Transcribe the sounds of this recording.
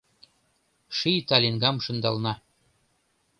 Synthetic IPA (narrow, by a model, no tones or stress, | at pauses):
ʃijt̪ɑlʲinɡɑmʃɤ̆nd̪ɑlˠnɑ